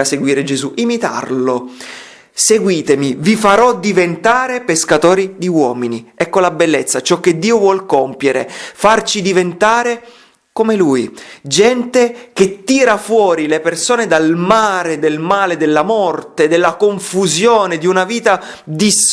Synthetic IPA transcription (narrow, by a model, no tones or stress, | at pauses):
aseɡwiːɾed͡ʒezuʔimit̪a̰rlo | seɡwiːt̪emivifaɾɔd̪ivent̪aːɾepeskat̪oːɾid̪iwɔːminiɛkːolabelːet̪sːat͡ʃɔk̟ːed̪ːiːovwɔlkompjeɾḛfart͡ʃid̪ivent̪aːɾe | komelujd͡ʒɛnt̪ek̟et̪ːiːɾafwɔːɾilepersoːned̪almaːɾed̪elmaːled̪elːamɔrt̪ed̪elːakoɱfuzjoːned̪iunaviːt̪a | d̪is